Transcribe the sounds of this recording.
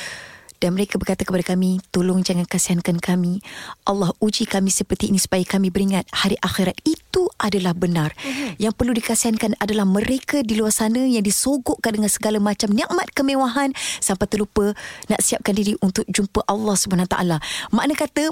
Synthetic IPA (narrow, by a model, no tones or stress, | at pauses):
d̥anməɾekabərkat̪akəpadakamit̪olʊŋd͡ʒaŋankasiɦankankamiʔɑ̰lːɑhud͡ʒikamĩsəpərt̪iːnisu̥pajakamĩbəɾiŋat̪̚haɾiʔaxiɾat̪̚it̪uʔadalahbənarjaŋpərludikasiɦankanadalahməɾʔekadiluarsanəjaŋdisoɡoʔkandəŋansəɡalamat͡ʃamniʔmat̪̚kəmẽwaɦansampajt̪əlupənaʔsiap̚kandiɾiʔunt̪ʊk̚d͡ʒumpəʔɑlːɑhsubaɦanawt̪a̰ʔa̰lama̰ʔnakat̪ə